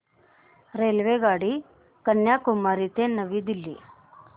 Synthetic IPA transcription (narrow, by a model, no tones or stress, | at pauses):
ɾelʋeɡaːɽi | kənjakumaɾit̪enəʋid̪ilːḭː